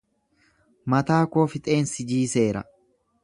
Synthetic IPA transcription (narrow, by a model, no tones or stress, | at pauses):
mɐt̪aːkoːfɪt̪ʼe̞ːnsɪd͡ʒiːse̞ːɾɐ̰